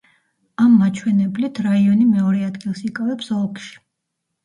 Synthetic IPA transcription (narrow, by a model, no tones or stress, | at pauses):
amːat͡ʃʰwɛnɛblit̪ʰɾaiɔnimɛɔɾɛad̪ɡilˠsikʼavɛpsɔlˠkʃi̥